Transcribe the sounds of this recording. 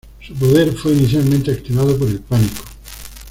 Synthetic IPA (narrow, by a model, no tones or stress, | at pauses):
supoðe̞ɾfweiniθjalmẽnt̪e̞akt̪iβaðop̬oɾe̞lpaniko̥